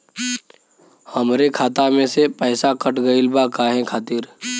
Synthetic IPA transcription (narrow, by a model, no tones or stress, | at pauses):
həmɾekʰaːt̪amẽsepɛːsakəʈʰɡəɪlbakaːɦɛ̃kʰaːt̪iːɾ